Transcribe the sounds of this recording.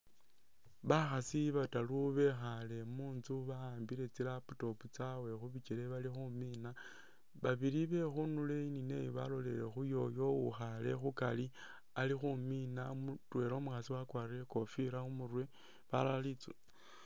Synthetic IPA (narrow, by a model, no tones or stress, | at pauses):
βaxasiβataluβe̞xale̞muːnzuβaaːmbiɾe̞t͡silaputo̞put͡sawe̞xuβit͡ʃeleβalixumina | βaβiɾiβe̞xunule̞inine̞̰joβa̰lo̞le̞ɾe̞̰xujo̞jo̞ṵxale̞̰xukali | alixuminamutwe̞ɾo̞muxasiwakwaːriɾeko̞fiɾaumurwe | βalalit͡sṵ